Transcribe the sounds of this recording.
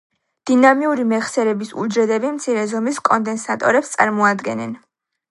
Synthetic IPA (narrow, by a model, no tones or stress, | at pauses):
d̪̥inamiuɾimɛχsɛɾɛbisṵld͡ʒɛd̪ɛbimt̪sʰiɾɛzɔmiskʼɔnd̪ɛnsat̪ʼɔ̰ɾɛpst̪sʼa̰ɾmɔad̪ɡɛnɛ̰n